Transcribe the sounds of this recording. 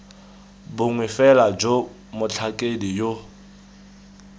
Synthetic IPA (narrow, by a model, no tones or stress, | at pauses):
bʊŋwɪfɛlad͡ʒo | mʊt͡ɬʰakʼedijo